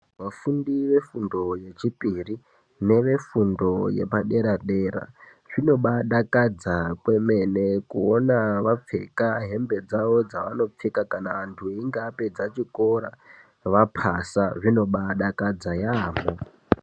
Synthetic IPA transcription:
ʋafundiʋe̞fundo̞je̞t͡ʃipʼiri | ne̞ʋe̞fundo̞je̞̰paɗe̞ɾaɗeːɾa̰ | ʐ̥ino̞ɓaɗakad͡zakwe̞me̞ne̞kuonaʋap͡fe̞kaɦe̞mbe̞d͡zaʋo̞d͡zaʋano̞p͡fikakanaantʰueiŋɡaped͡zat͡ʃiko̞ɾa̰ | ʋapʰasaʐino̞ɓaɗakad͡zajaːmo

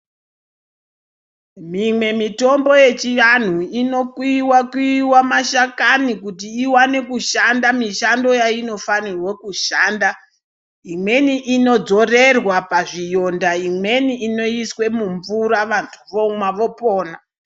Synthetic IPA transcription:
mimwe̞mito̞mbo̞je̞t͡ʃiʋan̤uino̞kwiwakwiwamaʃakanikutiːwane̞kuʃandamiʃando̞jaino̞fanirwokuʃaːnda | imwe̞niʔino̞d͡zo̞re̞rwapaʐijo̞ndaimwe̞niino̞iswe̞muɱvuɾaʋantʰuʋomwaʋo̞po̞ːna

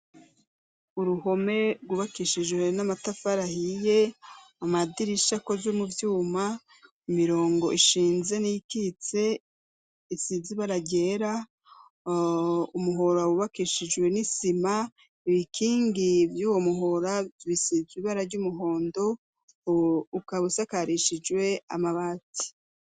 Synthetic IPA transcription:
uɾuho̞me̞ɾɡuβakiʃid͡ʒwe̞namatafaɾahije̞amadiɾiʃakozomuvjuːma | imiɾo̞ːŋɡo̞ʔiʃiːnze̞nijikit͡se̞ | isiziβaɾaɟe̞ːɾa | umuɦo̞ɾawuβakiʃid͡ʒwe̞nisima | iβikʰiːŋɡivjuːwo̞muɦoɾaβisiziβaɾaɾɟumuɦo̞ːndo̞ | ukaβusakaɾiʃid͡ʒwe̞a̰maβati̥

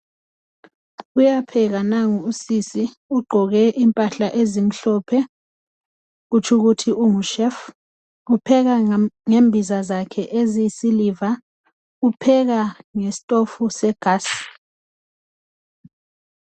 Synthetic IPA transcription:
ujapʰɛɣ̬anaŋuusisi | uɡ͡ǃʱɔɣɛʔimpʼaɬaʔezim̩ɬɔːpʰɛ | ɣut͡ʃʰuɣutʰiʔuŋuʃɛf | upʰɛɣ̬aŋembʱizazakʰɛʔezijisiliva | upʰɛɣ̬aŋesi̥tʼofusɛɡ̥ʱaːsi̥

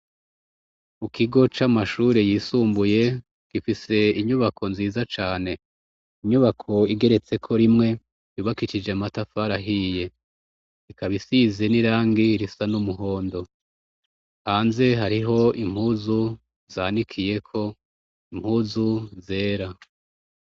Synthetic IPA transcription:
mukʰiɡo̞t͡ʃamaʃuːɾe̞jiːsuːmbuje̞ | ɡ̥ifise̞iɲuβakʰo̞nziːzat͡ʃaːne̞ | iɲuβakʰo̞iɡe̞ɾe̞t͡se̞kʰo̞ɾimŋe̞ | juβakit͡ʃid͡ʒeamatafaɾaɦije̞ | ikaβisizeniɾaːŋɡiɾisanumuɦo̞ːndo̞ | haːnze̞ɦaɾiɦo̞im̥huːzu | z̥aːnikʰije̞kʰo̞ | imhuːzuze̞ːɾa

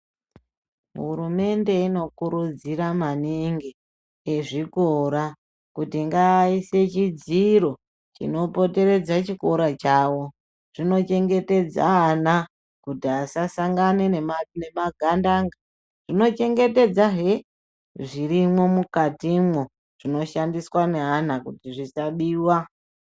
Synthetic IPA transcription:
uɾume̞nde̞ino̞kuɾud͡ziɾamaniŋɡi | eʐikoɾa | kutiŋɡaise̞t͡ʃid͡ziɾo̞ | t͡ʃḭno̞po̞te̞ɾe̞d͡zat͡ʃiko̞ɾat͡ʃaːwo̞ | ʐ̥ino̞t͡ʃe̞ŋɡe̞te̞d͡za̰ɦana | kutiasasaŋɡanenenemaɡʱandaŋɡa | ʐ̥ino̞t͡ʃe̞ŋɡe̞te̞d͡zaɦe | ʐirimwo̞mukatimwo | ʐ̥ino̞ʃandiswaneɦanakutiʐisaɓiːwa

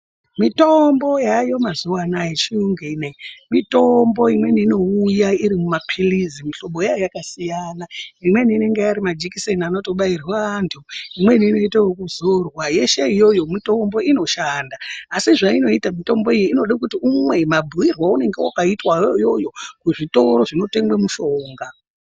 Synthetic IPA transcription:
mito̞mbo̞jajo̞mazuwanajet͡ʃiuŋɡinemito̞mbo̞imwe̞niːno̞ujaiɾimumapʰilizimiɬo̞mbo̞jajjakasijanaimwe̞niine̞ŋɡeaɾimad͡ʒikisenano̞to̞ɓairwaantʰuimwe̞niːno̞itaokuzorwaje̞ʃe̞ijo̞jo̞mito̞mbo̞ino̞ʃandaːsiʐaino̞itamito̞mbo̞ijiino̞ɗak̬utiumwe̞mabʱuwirwaune̞ŋɡewa̰kaitwaojo̞jo̞kuʐito̞ɾo̞ʐino̞te̞ŋɡwemuʃo̞ːŋɡa

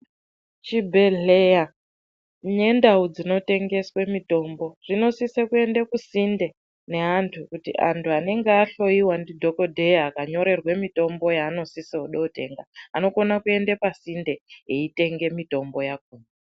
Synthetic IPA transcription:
t͡ʃibʱe̞ɮeja | ɲe̞ndaud͡zino̞te̞ŋɡe̞swe̞mito̞ːmbo̞ʐ̥ino̞sisekue̞ndekusinde̞ | ne̞antʰukutḭʔa̰ntʰuane̞ŋɡeaɬo̞iwandidʱo̞ko̞dʱejaːkaɲo̞ɾe̞rwemito̞mbo̞jaːno̞siseoɗoːte̞̰ŋɡaano̞ko̞nakue̞ndepasinde̞eite̞ŋɡe̞mito̞mbo̞jak̚uːne

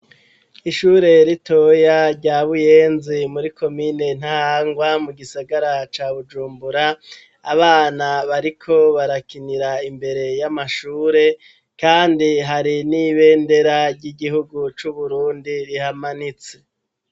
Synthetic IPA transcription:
iʃuːɾe̞ɾito̞jaɾɟaːβuje̞ːnzimuɾikʰo̞miːne̞n̥hahaːŋɡwamuɡisaɡaɾat͡ʃaːβud͡ʒuːmbuɾaː | βaːnaβaɾikʰo̞βaɾakiniɾaimbe̞ɾe̞jamaʃuːɾe̞ | kaːndiɦaɾiniβe̞ːnde̞ɾaɾɟiɡiɦuɡut͡ʃuβuɾuːndiɾihamanit͡se̞

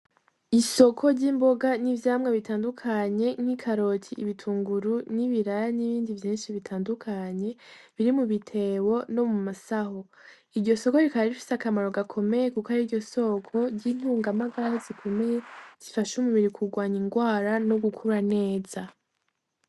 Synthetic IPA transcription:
iso̞kʰo̞ɾɟiːmbo̞ɡanivjaːmŋweβitaːndukʰaɲe̞ŋ̥ikʰaɾo̞cʰiʔiβitʰuːŋɡuɾuniβiɾajaniβiːndivjiːnʃiβitʰaːndukʰaɲe̞βiɾimuβitʰe̞wo̞no̞mumasaɦo̞ | iɾɟo̞so̞ko̞ɾikaβaɾifi̥seakamaɾo̞ɡakʰo̞me̞jekukaɾiɾɟo̞so̞kʰo̞ɾɟin̥huːŋɡamaɡaɾazikʰo̞mejez̥ifaʃumuβiɾikʰuɡwaːɲiŋɡwaːɾano̞ɡukʰuɾane̞ːz̥a

